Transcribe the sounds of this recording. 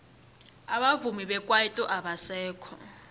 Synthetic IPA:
aɓavumiɓɛkʼwaitʼɔʔaɓasɛːkʰɔ

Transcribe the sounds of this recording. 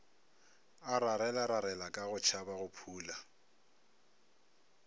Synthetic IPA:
aɾaɾɛlaɾaɾɛlakʼaɣʊt͡ʃʰabaɣʊpʰuːla

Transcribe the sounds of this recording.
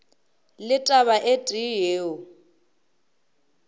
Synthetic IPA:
lɪtʼaβaʔetʼijeːʊ

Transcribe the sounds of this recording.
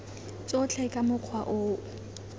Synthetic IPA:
t͡sʼɔt͡ɬʰɛkʼamʊq͡χʰwaʔʊː

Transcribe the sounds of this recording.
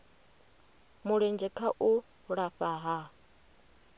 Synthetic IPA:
muɺɛnd͡ʒɛkʰaʔu | ɺaɸaɦa

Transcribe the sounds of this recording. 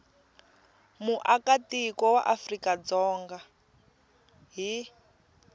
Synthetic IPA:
muʔakatikɔwaʔafrikad͡zɔːŋɡa | ɦi

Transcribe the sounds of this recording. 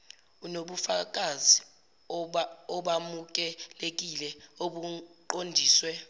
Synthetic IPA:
unoɓufak̬azi | ɔɓamuk̬ɛlek̬ilɛoɓuǃondʱiːswɛ

